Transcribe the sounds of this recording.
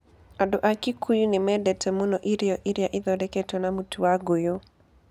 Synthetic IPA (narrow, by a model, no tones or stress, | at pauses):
adʊʔakikujunɪmɛdɛtʰɛmonoʔiɾjɔʔiɾjaʔɪd̪ɔdɛketonamutuwaɡojo